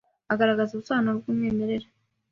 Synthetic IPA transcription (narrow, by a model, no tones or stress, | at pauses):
aɡaɾaɡazuβusaːnobɡumŋeːme̞ɾe̞ɾa